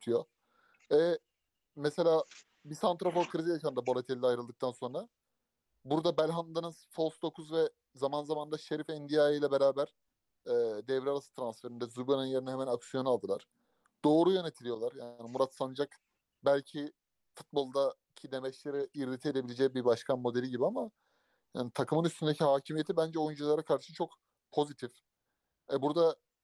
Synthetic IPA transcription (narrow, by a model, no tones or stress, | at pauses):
t̪ʰɯjo | ɛ | mɛselʲaː | bisant̪ɾo̞fokʰɯɾizijakand̪abolʲˠet̪ʰelʲilʲajɾɯlˠd̪ɯk̚t̪ʰanso̞nɾa | buɾd̪abælʲɦand̪anɯzzfolˠsd̪o̞kʰuzvɛ | zamanzamand̪aʃe̞ɾifɛnd̪ijajijlʲɛbe̞ɾaːbæɾ̥ | ɛːd̪ɛvɾaɾasɯ̥t̪ʰɾansfeɾind̪ɛzubaninjeɾinɛɦɛmænaksijo̞nualˠd̪ɯlˠaɾ̥ | d̪̥o̞ːɾujø̞ne̞t̪ʰilʲijo̞lˠaɾjaːnimuɾat̪sanɯd͡ʒak | bælʲcʰi | fut̪̚bo̞lˠd̪a | cʰid̪emɛt͡ʃlʲeɾiiɾlʲit̪ʰied̪eilʲed͡ʒɛbibaʃkʰanmo̞d̪eiɟibiama | jaːnit̪ʰakʰɯmɯnyst̪ʰynd̪ecʰihaːcʰimije̞t̪ʰibænd͡ʒɛo̞jynd͡ʒulˠaɾakʰaɾʃɯʃɯt͡ʃʰo̞k | pʰo̞zit̪ʰif | ɛbuɾd̪a